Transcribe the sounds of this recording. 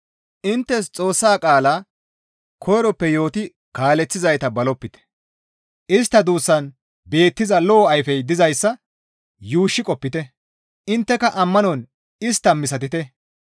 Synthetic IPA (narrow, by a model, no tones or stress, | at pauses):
ʔɪnt̪ːɛst͡sʼo̞ːsːaːkʼaːlaː | kʰɔjɾɔpːɛjo̞ːt̪ɪ | kaːlɛt͡sːɪzɐjt̪ɐbɐlɔpːɪt̪ɛ̥ | ʔɪst̪ːɐd̪uːsːɐn | be̞ːt̪ːɪzɐlɔːɐjfɛjd̪ɪzɐjsːɐ | juːʃːɪkʼɔpːɪt̪ɛ | ʔɪnt̪ːɛkɐʔɐmːɐnɔn | ɪst̪ːɐmɪsɐt̪ɪt̪ɛ